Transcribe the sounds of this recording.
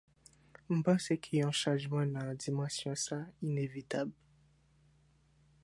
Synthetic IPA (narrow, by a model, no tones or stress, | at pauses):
m̩pɑ̃sekʰeɔ̃ʃɑ̃ʒmɑ̃nãd̪imɑ̃sjɔ̃sainevit̪abl